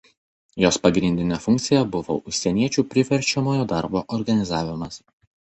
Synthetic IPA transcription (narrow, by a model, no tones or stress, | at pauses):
joːspɐɡɾʲɪnʲd̪ʲɪnʲɛfʊŋkt̪sʲɪjɛbʊʋo̰ʔʊʃʲsʲɛnʲiɛt͡ʃʲuːpʲɾʲɪʋʲɛɾʲˑt͡ʃʲɛmoːjoːd̪ɑɾboːʔɔɾɡɐnʲɪzɑːʋʲɪmɐs